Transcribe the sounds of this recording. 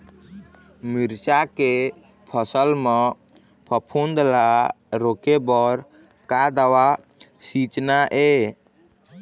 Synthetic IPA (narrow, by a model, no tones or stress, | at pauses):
miɾt͡ʃake | pʰəsəlme | pʰəpʰund̪la | ɾokebɔɾ | kad̪əwa | sit͡ʃnaʔe